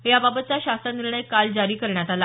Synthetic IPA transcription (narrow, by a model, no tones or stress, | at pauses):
jababət̪̚t͡saɕast̪aniɾɳəjkald͡zaɾiːkəɾɳjat̪ala